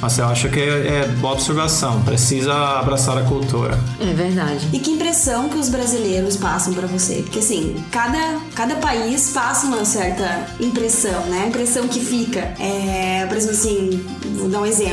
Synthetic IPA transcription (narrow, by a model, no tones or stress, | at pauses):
ɔseaʃʊkɪ | ɛboɐobseɾvasɐ̃w̃pɾesizɐabɾasaɾɐkult̪ṵɾɐ̰ɛveɾd̪ad͡ʒɪɪkɪĩpɾesɐ̃w̃kɪʊzbɾazileɾʊspasɐ̃w̃pɾɐvosḛpoɾkeasĩkad̪ɐkad̪ɐpaisfasɐũmɐsɛɾt̪ɐ | ĩpɾesɐ̃w̃nɛĩmpɾesɐ̃w̃kɪfikɐɛpoɾezẽmplasĩ | vod̪aũezẽmp